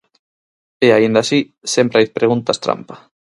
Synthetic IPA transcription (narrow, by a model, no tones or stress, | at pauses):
eaind̪asi | sempɾajðpɾeɣunt̪ast̪ɾa̰mpḁ